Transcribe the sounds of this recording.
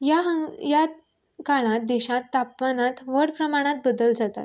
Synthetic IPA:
jaɦəŋja | kaɭ̃ãt̪̚d̪ɛɕãt̪ːapmanat̪ʋəɽpɾəmaɽ̃at̪̚bəd̪əld͡zat̪a̰t̪

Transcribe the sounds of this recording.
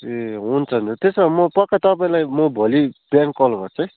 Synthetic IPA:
eɦunt͡sʰʌnut̪esʌmʌpʌkːat̪ʌpaĩlajmʌbʱolib̥jaŋkːʌlɡʌt͡sʰʌj̃

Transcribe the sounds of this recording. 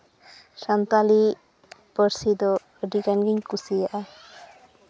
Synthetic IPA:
sant̪ali | bəɾsid̪ɔ | ɖiɡanɡiɲkusijaʔa

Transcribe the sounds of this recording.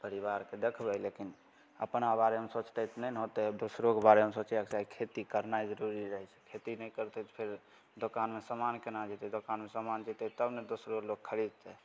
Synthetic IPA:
pəɾibaɾked̪ekʰbɛlekin | ə̰pnabaɾeɦəmsot͡ʃt̪ɛt̪ʰnənɦot̪ɛd̪osɾokbaɾeɦəmsot͡ʃakt͡ʃaɦikʰet̪ikəɾnajd͡ʒəɾuɾiɾəɦɛt͡ʃʰɛ̥kʰet̪inɛkəɾt̪ɛt̪pʰeɾ | d̪okanmesəmankenad͡ʒit̪ɛd̪okanmesamand͡ʒit̪ɛt̪əbned̪osɾolok̚kʰːəɾid̪̚t̪ɛ

